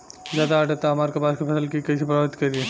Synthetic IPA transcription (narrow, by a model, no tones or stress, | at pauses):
zjaːd̪aaːʈet̪aɦɐmaːɾkepaːskipʰɐsəlkikɐisipɾaɪt̪kɐɾie